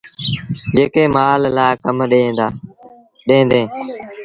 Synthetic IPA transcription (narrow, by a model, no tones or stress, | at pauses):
d͡ʒeːkeːmaːlːaːkəmɗeːd̪aː | ɗẽːnd̪ẽː